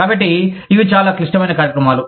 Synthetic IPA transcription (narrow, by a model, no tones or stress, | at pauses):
kaːbɐʈːiiʋit͡ʃaːlaːkiʂʈɐmɐjnɐkaːɾjɐkɾɐmaːlu